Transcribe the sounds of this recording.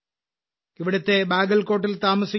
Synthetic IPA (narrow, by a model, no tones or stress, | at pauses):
iʋiɽɐt̪ːe̞baːɡɐlko̞ːʈ̬ːilt̪aːmɐsi